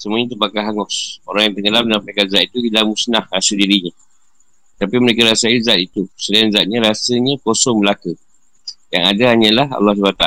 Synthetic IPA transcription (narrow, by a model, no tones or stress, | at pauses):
səmuaɲat̪əbakaɦaŋʊso̰ɾaŋjaŋt̪əŋəlamdənapakanzat̪̚it̪uilamusnahrasədiɾiɲã | t̪apiməɾekaɾasaizat̪̚it̪usəlaanzat̪̚ɲə̃ɾasəɲãkosɔŋməlaku | ja̰ŋadaɦaɲãlaɦa̰lːahsəbat̪aa